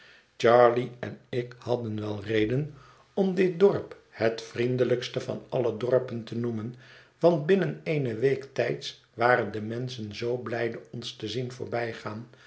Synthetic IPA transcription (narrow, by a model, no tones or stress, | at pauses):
t͡ʃɑɹliɛ̰nɪkhɑdənʋɛlˠrejdən | ɔmdɪt̚dɔɹp | hətfrindələkstəvɑ̰nɑlədɔɹpəntənumən | ʋɑndbɪnənejnəʋejktɛjts | ʋaːrəndəmɛnsənzowblɛjdəɔnstəzinvʊ̰ːɹbɛjχaːn